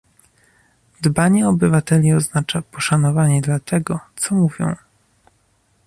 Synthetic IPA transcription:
d̪baɲɛɔbɘvat̪ɛlʲiɔznat͡ʂapɔʂanɔvaɲɛd̪lat̪ɛɡɔt̪sɔmuvʲjɔ̰̃w̃

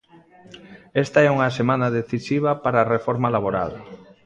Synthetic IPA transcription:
ɛst̪aɛuŋasemãnaðeθisiβ̞apaɾaːrefɔɾmalaβ̞oɾa̰l

